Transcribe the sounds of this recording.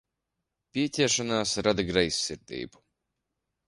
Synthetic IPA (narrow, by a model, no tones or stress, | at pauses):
pʲiɛcʲɛɛʃanaːsɾad̪aɡɾajsʲːiɾd̪ḭːbu̥